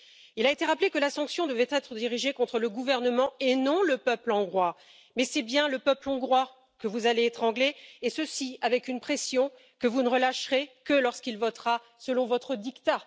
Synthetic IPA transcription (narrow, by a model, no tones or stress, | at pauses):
ilaet̪eʁaplekəlasɑ̃ksjɔ̃d̪əvɛt̪ɛt̪χəd̪iʁiʒekɔ̃t̪χələɡuvɛʁnəmɑ̃enɔ̃ləpœplɑ̃ɡʁwa | mɛsɛbjɛ̃ləpœplɑ̃ɡʁwa | kəvuzaleːt̪χɑ̃ɡleːsəsiavɛkynpχesjɔ̃ | kəvunəʁəlaʃʁekəlɔʁskilvɔt̪ʁa | səlɔ̃vɔt̪χəd̪ikt̪a